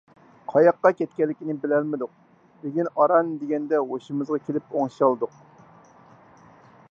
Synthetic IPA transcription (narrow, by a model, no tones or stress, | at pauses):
qʰɑjɑqːɑkʲɛt̪̚kʲɛlːɪkʲinɪbɪlɛlmɪd̪ʊq̚ | beɡʲinɑɾɑnd̪eɡʲɛnd̪ɛɦoʃimɨzʁɑkʲʰelɪpoŋʃɑlˠd̪ʊq